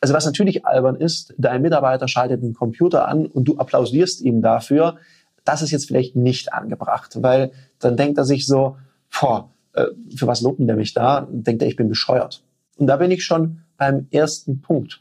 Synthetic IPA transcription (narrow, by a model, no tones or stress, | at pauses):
ʔalzovasnatʰyːɐlɪçʔa̰lbɐnɪstd̥aɪnmɪtaɐbaɪtɐʃaltət̚deːnkʰɔmpʰj̥uːtɐ̰ʔa̰nʊnt̚d̥uːʔapʰl̥aʊziːɐstʔiːbm̩dafyːɐ | d̥asɪstjɛt͡stfɪla̰ɪçtnɪçtʔa̰nɡəbʁa̰χtvaɪld̥andɛŋkteːɐzɪçz̥oː | fɔ | ʔɛ̰ːfyːɐvasloːbm̩diːɐmɪçd̥aːd̥ɛŋkteːɐɪçb̥ɪnbəʃɔʏɐ̰t | ʔʊnt̚d̥aːbɪnɪçʃoːnb̥aɪmʔeːɐstn̩pʰʊŋk̚t